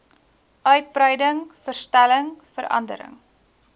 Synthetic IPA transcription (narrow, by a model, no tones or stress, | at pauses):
ʔœɥt̚brəjdəŋfərstæləŋfəɾɐ̰ndə̰ɾə̰ŋ